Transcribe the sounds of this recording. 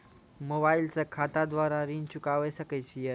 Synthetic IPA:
mobaːɪlsəkʰaːt̪ad̪ʋaːɾaɾiːnt͡ʃʊkaʋesəkət͡ɕʰije

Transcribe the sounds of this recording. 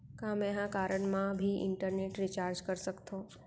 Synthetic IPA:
kamɛɦãkaɾəɳmãbʱiʔɪ̰ɳʈəɾneʈɾit͡ʃaɾd͡ʒkəɾʃəkt̪ʰõ

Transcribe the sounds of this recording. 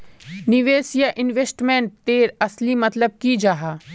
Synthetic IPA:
nɪʋeːsjaʔɪnʋesʈmẽɳʈ̚t̪eːɾɐslimɐt̪ləb̚kid͡ʒaːɦaː

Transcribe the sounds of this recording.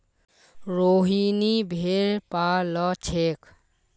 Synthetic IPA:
ɾoɦinibʱeɾpalət͡ʃʰek

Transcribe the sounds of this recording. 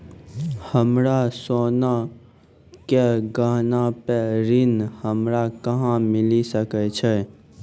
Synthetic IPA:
həmɾasoːna | keɡaːɦnapeɾɪnhəmɾakəɦãmɪlisəkɛt͡ʃʰɛː

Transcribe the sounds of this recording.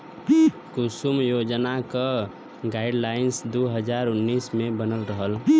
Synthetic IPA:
kʊsumjoːd͡ʒnaka | ɡaːɪɖlaːɪnsd̪oɦəd͡ʒaːɾʊnːiːsmẽbənəlɾəɦəl

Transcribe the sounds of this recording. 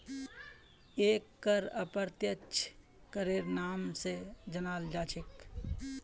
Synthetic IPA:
eːkːəɾəpəɾt̪jət͡ʃʰ | kəɾeːɾnaːmsed͡ʒənaːld͡ʒaːt͡ʃʰɪk

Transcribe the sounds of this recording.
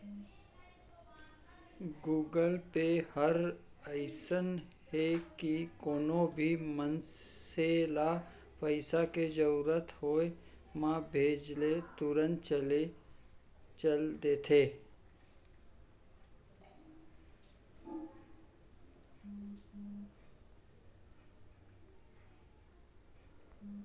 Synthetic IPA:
ɡuːɡəlpehəɾəɪsən | hekikoːnobʱimənsela | pəɪsaked͡ʒəɾuːɾət̪ʰhoːe | mãbʱeːd͡ʒlet̪uɾənt͡ʃəle | t͡ʃəld̪eːt̪ʰe

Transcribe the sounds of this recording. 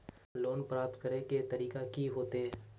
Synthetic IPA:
loːnpɾaːp̚t̪kəɾeket̪ɐɾiːkakiɦoːt̪eɦɛ

